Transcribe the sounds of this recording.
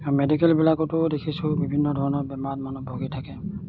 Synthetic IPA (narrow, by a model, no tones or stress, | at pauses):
medikɛlbilakɔtʊdekʰisʊ̃bibʱinːɔdʱɔɹɔnɔɹbɛmatmɔnɔbʱoɡitʰakɛ